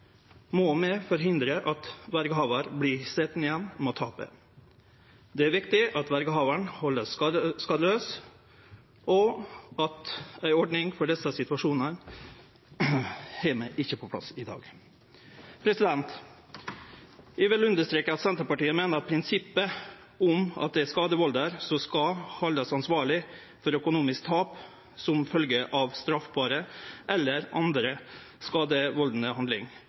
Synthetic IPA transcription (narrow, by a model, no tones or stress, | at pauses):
mɔmɛfɔɾɦɪnd̪ɾəʔɑt̪ʋæɾɡəɦɑːʋəɾblɪsɛt̪ːnɪjɛnmɔt̪ʰɑːpə̰ | d̪ɛæɾʋɪkt̪ɪʔɑt̪ʋæɾɡəɦɑːʋəɳhɔlːəsskɑd̪əløːs | ɔɑt̪æɪɔɖɳɪŋfɔɖɛsːəsɪt̪ʉɑʂuːnən | hɛmæɪʔɪçːəpʰɔpʰlɑ̰sɪd̪ɑ̰ːɡ | pʰɾɛsɪd̪ɛnt̪ | ɪʋɛlʉnd̪əʂt̪ɾeːkəɑt̪sɛnt̪ɾəpɑʈiːəmeːnəɾɑt̪̚pʰɾɪnsɪpːə | ʊmɑ̰t̪̚d̪ɛæskɑːd̪əʋɑld̪əɾsɔskɑhɑld̪ɑsɑnsʋɑːɭɪ | fɔɾœkʊnuːmɪsk̚t̪ʰɑːp | sɔmfœlɡəʔɑʋst̪ɾɑfbɑːɾəʔɛlːəɾɑ̰nd̪ɾə | skɑːd̪əʋɔld̪n̩əhɑnd̪lɪŋ